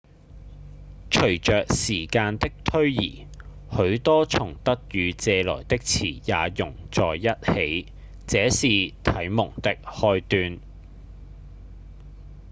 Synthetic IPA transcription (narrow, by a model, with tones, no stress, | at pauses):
t͡ʃʰɵ˨˩ɥt͡ʃœː˨k̚siː˨˩kaː˧nt̪ɪ˥k̚t̪ʰɵ˥ɥjḭː˨˩ | hɵ˨˥ɥt̪ɔː˥t͡sʰʊ˨˩ŋt̪ɐ˥k̚jyː˨˧t͡sɛː˧lɔ̰ː˨˩jt̪ɪ˥k̚t͡sʰḭː˨˩jaː˨˧jʊ˨˩ŋt͡sɔː˨jːɐ˥t̚he˨˥j | t͡sɛː˨˥siː˨t̪ʰɐ˨˥jmʊ˨˩ŋt̪ɪ˥k̚hɔː˧jt̪yː˧n